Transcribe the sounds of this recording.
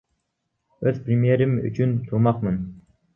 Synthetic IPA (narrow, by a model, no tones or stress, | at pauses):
øz̥pɾɪmjeɾɪmy̰t͡ʃʰynt̪ʰuɾmɑqmɨn